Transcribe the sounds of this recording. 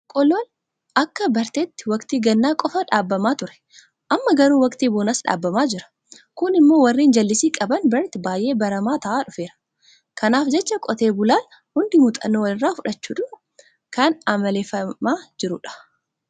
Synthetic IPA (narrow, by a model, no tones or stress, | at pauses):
kʼɔlːɔl | ʔɐkːɐbɐɾt̪eːt̪ːɪ̥wɐkt̪iːɡɐnːaːkʼɔfɐᶑaːbːɐmaːt̪ʊɾɛ̥ | ʔɐmːɐɡɐɾuːwɐkt̪iːboːnɐsᶑa̰ːbːɐmaːd͡ʒɪɾɐ̥ | kʊnɪmːo̞ːwɐrːiːnd͡ʒɐlːɪsiːkʼɐbɐnbɐɾt̪ɪbaːjʔe̞ːbɐɾɐmaːt̪ɐʔaːᶑʊfe̞ːɾɐ̥ | kɐnaːfd͡ʒɛt͡ʃːɐkʼɔt̪eːbʊlaːn | hʊnd̪ɪmʊt̪ʼɐ̰nːoːwɐlɪrːaːfʊᶑɐt͡ʃːuːᶑʊ | kɐnɐmɐleːfɐmaːd͡ʒɪɾʊᶑɐ̥